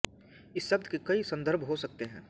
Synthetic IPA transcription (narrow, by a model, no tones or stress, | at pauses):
ɪsʃɐb̚d̪kekɐisɐ̃nd̪əɾbʱɦosɐk̚t̪eɦɛ̃ː